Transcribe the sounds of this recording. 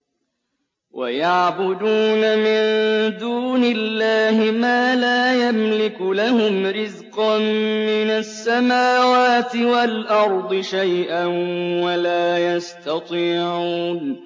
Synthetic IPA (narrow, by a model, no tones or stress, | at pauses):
wʔa̰jaʕbʊd̪uːnamɪnd̪uːnɪlːaːhɪmaːlaːjamlɪkʊlahʊmɾɪzqɑmɪnasːamaːwaːt̪ɪwalʔɑɾˤd̪ˤɨʃajʔanwalaːjast̪ɑt̪ˤiːʕuːn